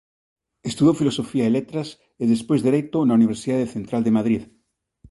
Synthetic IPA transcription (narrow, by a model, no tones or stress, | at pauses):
est̪uðowfilosofiaelet̪ɾas | eðespwezðeɾejt̪onauniβ̞eɾsiðaðeθent̪ɾald̪emaðɾið